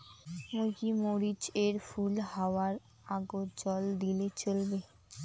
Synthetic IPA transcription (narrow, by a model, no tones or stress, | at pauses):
moɡimoɾid͡ʑeɾfulhawaɾ | aɡod͡ʑɔld̪ilet͡ɕolbe